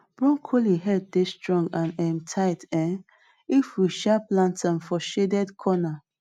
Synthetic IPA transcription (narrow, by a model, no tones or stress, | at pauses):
b̥ɹɔ̃ŋkʰoliɦɛd̚destɹɔ̃ŋɡãnɛ̃mtʰaɪtɛ̃ | ifwiʃaplãntʰãmfɔʃedɛdkʰɔna